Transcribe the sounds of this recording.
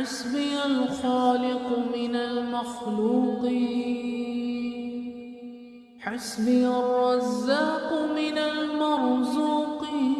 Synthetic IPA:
asbɪjalxaːlɪqmɪnalmaxluːq | ħasbɪjarˤːɑzːaːqmɪnalmɑɾˤzuːqi

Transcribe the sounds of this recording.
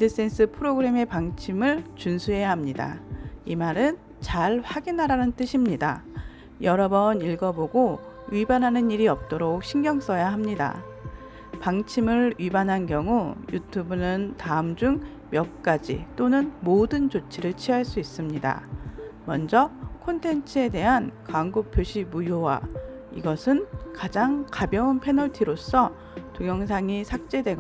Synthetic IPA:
dɯs͈e̞ns͈ʰɯpʰɯɾoɡɯɾe̞me̞paŋt͡ɕʰimɯɭt͡ɕunsʰuɦe̞jaɦamɲida̰imaɾɯn | t͡ɕaɭɸwaɡinɦaɾanɯnt͈ɯɕʰimɲida̰ | jʌɾʌbʌniɭɡʌboɡo | ɥibanɦanɯniɾiʌp̚t͈oɾok̚ɕʰiŋɡjʌŋs͈ʌjaɦamɲida̰ | paŋt͡ɕʰimɯɾɥibanɦanɡjʌŋujutʰubunɯntaɯmd͡ʑuŋ | mjʌk̚k͈ad͡ʑḭt͈onɯnmodɯnt͡ɕot͡ɕʰiɾɯɭt͡ɕʰiɦaɭs͈uis͈ɯmɲida̰mʌnd͡ʑʌkʰontʰe̞nt͡ɕʰɯe̞de̞ɦankwaŋɡopʰjoɕʰimujowa̰ | iɡʌsʰɯnkad͡ʑaŋkabjʌunpʰe̞nʌɭtʰiɾosʰʌ | toŋjʌŋsʰaŋisʰak̚t͡ɕ͈e̞dwe̞ɡ

